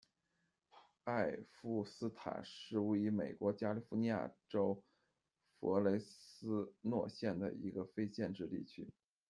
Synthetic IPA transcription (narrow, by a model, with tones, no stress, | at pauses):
a˥˧ɪfu˥˩sɹ̩˥t̪ʰa̰˨˩ʂɻ̩˥˩u˧˥˩y˧˥me˨˩ɪkwɔ˧˥t͡ɕja˥li˧˥fu˧˥ni˧˥ja̰˥˩ʈ͡ʂo˥ʊ | fɔ̰˧˥le˧˥ɪsɹ̩˥nwɔ˥˧ɕjɛ˥˩nd̪ə̰˩ḭ˧˥ɡə˧fe˥ɪt͡ɕjɛ˥˧nʈ͡ʂɻ̩˥˧t̪ḭ˥˩t͡ɕʰy˥